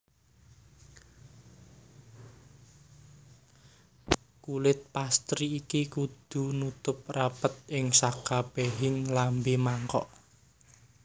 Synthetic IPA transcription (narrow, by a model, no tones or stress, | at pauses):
kulɪt̪̚past̪ɾiːkikud̪̥ṳnut̪ʊp̚rapət̪̚ɪŋsakab̥eɦɪŋlambemaŋkɔ̰ʔ